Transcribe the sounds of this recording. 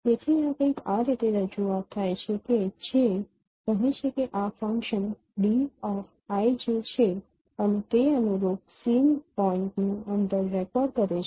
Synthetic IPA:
t̪et̪ʰiãkə̃j̃kaɾit̪eɾəd͡ʒuat̪ʰːajt͡ʃʰeked͡ʒe | kəɦet͡ʃʰekeʔafə̃ŋkʃən | ɖiɔf | ajd͡ʒet͡ʃʰe | ənet̪eənuɾoksinpɔɪɳʈnũənd̪əɾːɛkɔɖkəɾet͡ʃʰ

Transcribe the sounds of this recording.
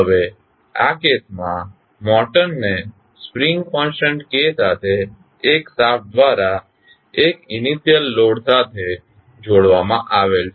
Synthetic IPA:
ɦəʋe | a̰kesmã | mɔʈənːe | spɾiŋɡkɔ̃nsəɳʈkesat̪ʰeː | ksap̚ʰd̪ʋaɾa | ekɪniʃijəlːoɽsat̪ʰe | d͡ʒoɽʋamãʔaʋelt͡ʃʰ

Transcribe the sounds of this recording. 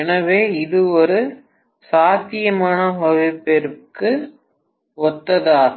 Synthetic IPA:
ɛnɐʋeːɪðɯɔɾɯ | saːt̪ːɪjɐmaːnɐɦɔʋipːɛɾɯkːɯ | ɔt̪ːɐðaː

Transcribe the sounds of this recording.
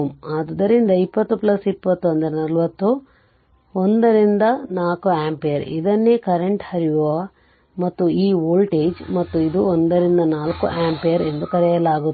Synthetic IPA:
maːd̪d̪ɐɾind̪ɐipːɐt̪ːuplɐsipːɐt̪ːuɐnd̪ɐɾɛnɐlʋɐt̪ːu | ond̪ɐɾind̪ɐnaːkuaːmpeːjɐɾḭd̪ɐnːekɐɾeɳʈhɐɾiʋo | mɐt̪ːuiːʋoːlʈeːd͡ʒmɐt̪ːuid̪uoɔnd̪ɐɾind̪ɐnaːlkuʔaːmpeːjɐɾe̞nd̪ukɐɾɛjɐlaːɡu

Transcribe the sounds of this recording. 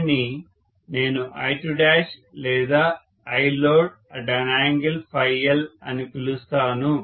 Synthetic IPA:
ni | ne̞ːnuʔɐ̰jʈuɖaːʃlɛːd̪aː | ɐjloːɖ | ɐɖɐnaːŋɡɐlpʰɐjːɐlɐ̰nikilust̪aːnu

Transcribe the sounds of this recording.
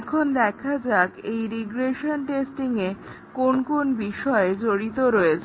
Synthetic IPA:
kʰond̪ɛkʰad͡ʑakejɾiɡɾeʃonʈesʈiŋe | konkonbiʃɔed͡ʑoɾit̪oɾɔet͡ɕʰ

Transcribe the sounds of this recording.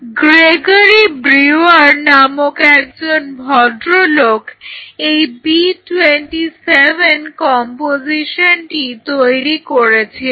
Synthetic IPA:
ɡɾeɡəɾibɾiʋaɾnamokɛk̚d͡ʑonbʱɔɖ̪ɾolokejbiʈweɳʈiseʋenkɔmpod͡ʑiʃənʈit̪ojɾikɔɾet͡ɕʰe

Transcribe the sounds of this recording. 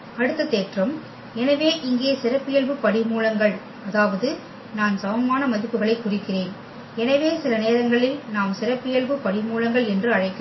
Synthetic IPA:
ɐɽɯt̪ːɐt̪ːeːʈrɐm | ɛnɐʋeːʔɪŋɡeːsɪrɐpːɪjɐɭʋɯpːɐɽɪmuːɭɐŋɡɐɭ | ɐðaːʋɐðɯ | naːnsɐʋɐmaːnɐmɐðɪpːɯɣɐɭɐɪkːʊrɪkːɪreːn | ɛnɐʋeːsɪlɐneːɾɐŋɡɐɭɪlnaːmsɪɾɐpːɪjɐɭʋɯpɐɽɪmuːɭɐŋɡɐɭɛndrɯɐɻɐɪkːɯ

